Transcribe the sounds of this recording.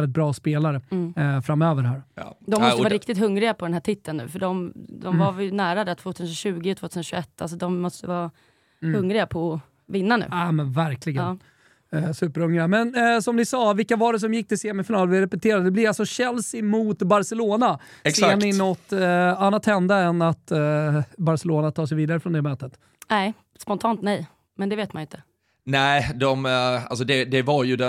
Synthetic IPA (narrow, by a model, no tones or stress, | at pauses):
lɪt̪̚bɾɑːspeːlaɾəfɾamøːvəɾɦæːɾd̪ɔmːɔst̪əvɑːɾɪk̚t̪ɪt̪ɦɵŋɾɪɡapʰɔd̪ɛnhæːʈʰɪt̪ʰːənːʉ̰ːfœɖɔmd̪ɔmvaɾjənæːɾad̪æt̪ʰvoːt̪ʰʉːsənɕʉ̟ːɡɪɔt̪ʰvoːt̪ʰʉːsnɕɵɛt̪ːals̬ɔd̪ɔmːɔst̪əəvɑː | hɵŋɾɪɡapʰɔ | vɪnːanʉ̟̰ːamɛnvæɾklɪɡən | sʉ̟ːpəɾhɵŋɾɪamɛnsɔmd̪ɪsɑːvɪlkːavaɖɛs̬ɔmjɪk̚ːt̪ʰɪseːmɪfɪnɑːlvɪɾɛpɛt̪ʰeːɾad̪əd̪ɛblɪvalsɔɕɛlsɪmʊt̪baɾsɛloːnaɛssmɪnːɔt̪ːanːat̪hɛnd̪aɛnat̪ | baɾsɛloːnat̪ʰɑːʂ̬ɛjviːd̪aɾəfɾɔnd̪ɛmøːt̪ət̪ | nɛ | spɔnt̪ʰɑːnt̪nɛj | mɛnd̪ɛveːt̪̚manjɪnt̪ʰə̥ | næɪd̪ɔma̰lsɔd̪ɛd̪ɛvaɾjɵd̪ɛ